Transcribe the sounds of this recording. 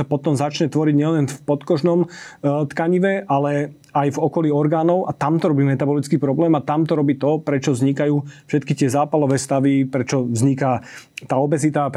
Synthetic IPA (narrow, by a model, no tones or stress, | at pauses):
apɔt̪ɔmzat͡ʃɲɛt̪ʋɔɾiɟɲɛlɛnfpɔt̪kɔʒnɔmt̪kaɲiʋɛʔalɛ | ajvɔkɔliːɔɾɡaːnɔʊʔat̪amt̪ɔɾɔbiːmɛt̪abɔlit͡skiːpɾɔblɛːmat̪amt̪ɔɾɔbiːt̪ɔpɾɛt͡ʃɔvzɲikajuːfʃɛt̪̚kit̪ɪɛzaːpalɔʋɛːst̪aʋipɾɛt͡ʃɔvzɲikat̪aːɔbɛzit̪ap